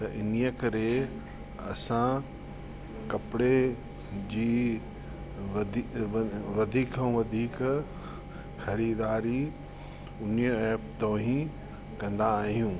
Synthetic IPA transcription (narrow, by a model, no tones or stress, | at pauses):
t̪ɐʔɪnijəkɐɾe | ɐ̰sã | kɐpɽe | d͡ʑiː | ʋɐd̪ʱiːkõʋɐd̪ʱiːk | xɐɾiːd̪aːɾi | ʊnjɛːpt̪õːɦĩ | kɐ̃nd̪aːɦijũː